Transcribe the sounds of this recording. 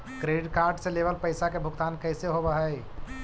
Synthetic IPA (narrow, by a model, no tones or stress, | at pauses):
kɾeɖkaɾɖsẽlebəlpəɪsakebʱʊɡt̪ankəjseɦobəɦəj